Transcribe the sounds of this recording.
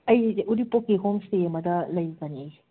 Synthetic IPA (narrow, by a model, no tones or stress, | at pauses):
ɐjuɾipokːiɦomsteɐmɐdɐlɐjɡɐniɐj